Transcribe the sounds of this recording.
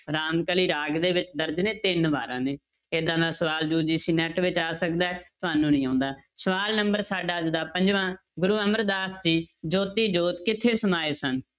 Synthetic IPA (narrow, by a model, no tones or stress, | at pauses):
ɾaːmkəliːɾaːɡd̪eːʋɪt͡ʃd̪əɾd͡ʒnẽːt̪ɪnbaːɾãːneː | eːd̪ãːd̪ãːsəʋaːld͡ʒuːd͡ʒiːsiːnɛːʈʋɪt͡ʃaːsəkd̪aːɛt̪ʊɦaːnũːnĩːãːʊnd̪aːsəʋaːlnəmbəɾsaːɖaːd͡ʒd̪aːpə̃ɲd͡ʒʋãː | ɡʊɾuːəməɾd̪aːsd͡ʒiːd͡ʒoːt̪iːd͡ʒoːt̪kɪt̪ʰːeːsəmaːeːsən